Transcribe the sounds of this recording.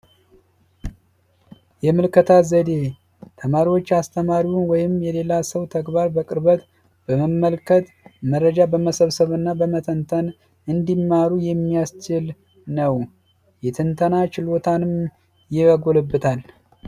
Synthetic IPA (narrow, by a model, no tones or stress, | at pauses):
jɛmɨlkʰət̪ʰazəd̪e̞ | t̪ʰəmaɾiwot͡ʃːast̪ʰəmaɾiwunwɔjɪmjɛle̞lasəwt̪ʰəɡbaɾbəkʼɨɾbət̪ | bəməmːəlkʰət̪ | mərːəd͡ʒabəməsəβsəβɨnːabəmət̪ʰənt̪ʰən | ɨnd̪imːaɾujɛmːijast͡ʃɪl | nəw | jɛt̪ʰɨnt̪ʰənat͡ʃɪlot̪ʰanɨm | jɪəɡolɨbːɨt̪ʰal